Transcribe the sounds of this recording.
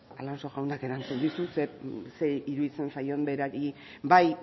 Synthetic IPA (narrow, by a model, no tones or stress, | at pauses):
alanso̞ʝawnd̪ake̞ɾant͡sund̪isusese̞iɾuðit͡se̞nsajo̞mbe̞ɾaɾi | baj